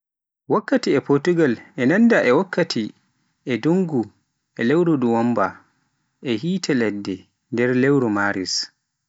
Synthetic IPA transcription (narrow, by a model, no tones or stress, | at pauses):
wakːatiɛpɔtuɡalʔɛnandaʔɛwakʰːatʰi | ʔɛduŋɡu | ʔɛlɛwɾuduwɔmba | ʔɛhiːtʰɛlɛdːɛ | ndɛɾlewɾɔmaːɾḭs